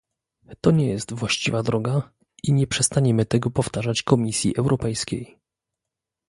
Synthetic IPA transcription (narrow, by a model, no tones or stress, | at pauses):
t̪ɔɲɛjɛst̪vwaɕt͡ɕivad̪ɾɔɡa | iɲɛpʂɛst̪aɲɛmɘt̪ɛɡɔpɔft̪aʐat͡ɕkɔmʲisʲjḭʔɛwɾʔɔpɛjskʲej